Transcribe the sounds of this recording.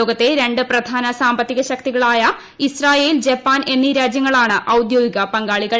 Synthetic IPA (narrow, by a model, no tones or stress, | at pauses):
oːɡɐt̪ːe̞ɾe̞ɳɖɨprɐd̪ʱaːnɐsaːmbɐt̪ːiɣɐɕɐk̚t̪iɣɐɭaːjɐ | israːje̞ːild͡ʑepːaːne̞nːiɾaːd͡ʑjɐŋːɐɭaːɳɨʔɐwd̪joːɡiɣɐpɐŋɡaːɭiɣɐ